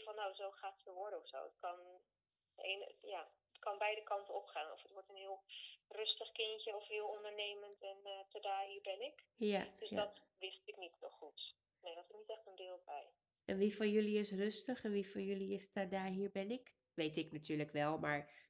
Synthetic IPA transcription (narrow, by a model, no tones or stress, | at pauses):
fɑnːawzowχaːttəʋɔɹɾəɔfso̰wət̚kɑn | ḛːnjaː | ətkɑnbɛjdəkɑntənɔpχaːnɔ̰fətʋɔɹtənɦɪəlˠrøstəχkɪntəɔfɦɪːlˠɔndəɹnejməntɛntədaːɦiːɹbɛnɪkjad̥øsdɔt | ʋɪstɪknitnɔχut | nejdɔtɪsnitɛχtəndɪːlˠbɛj | ɛnʋifɔnjøliɪsrøstəχɛnʋifɔnjøliɪstadaːɦiːɹbɛnɪk | ʋejtɪknatʰyːɹləkʋɛlˠmaɹ